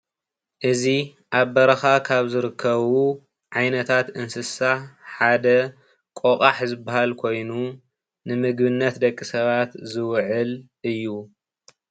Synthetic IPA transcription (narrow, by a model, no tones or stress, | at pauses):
ʔɨzi | ʔaβːɐɾɐxakʰaβzɨɾɨkʰːɐβu | ʕajnɐt̪ʰat̪ɨnsɨsaħad̪ɐ | kʼokʼaħzɨbahalkʰo̞jnu | nɨmɨɡbɨnːɐt̪d̪ɐkʼːisɐβat̪zɨwʕɨl | ʔɨjːu